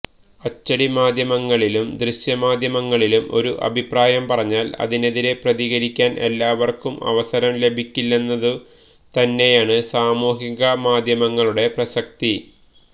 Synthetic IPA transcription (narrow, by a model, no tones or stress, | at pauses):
ɐt͡ɕːɐɽimaːd̪ʱjɐmɐŋːɐɭilumd̪riɕjɐmaːd̪ʱjɐmɐŋːɐɭilumo̞̰ɾuʔɐ̰bʱipraːjɐmpɐrɐɲːaːlɐ̰ðine̞ðiɾe̞prɐðiɣɐɾikʲːaːnʔe̞̰lːaːʋɐrkumɐ̰ʋɐsɐɾɐmle̞bʱikʲːilːenːɐðɨ | t̪ɐnːe̞jaːɳɨsaːmuːɦiɣɐmaːd̪ʱjɐmɐŋːɐɭuɽe̞prɐsɐk̚t̪i